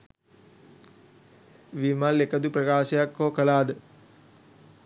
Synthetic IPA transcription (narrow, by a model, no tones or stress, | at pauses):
ʋimalːekəd̪uprɐkaːʃəjakːoːkəlaːd̪ə